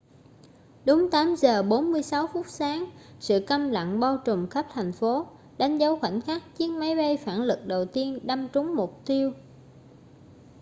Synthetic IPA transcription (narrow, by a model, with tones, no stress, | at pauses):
ɗʊ˨˦ŋ͡mt̪aː˨˦mzəː˨˩ɓo˨˦nmɨ˧əjsa˨˦wfʊ˦˥t̚saː˨˦ŋsɨ̰˧˨kə˧mla̰˧˨ŋɓaː˧wt͡ɕʊ˨˩ŋ͡mxə˦˥p̚t̪ʰa˨˩jŋ̟fo˨˦ | ɗa˨˦jŋ̟zə˨˦wxwa˧˩jŋ̟xaː˦˥k̚t͡ɕi˨˦ənma˨˦jɓə˧jfaː˧˩nlɨ˨˩k̚ɗə˨˩wt̪i˧ənɗa˧mt͡ɕʊ˨˦ŋ͡mmʊ˨˩k͡p̚t̪i˧əw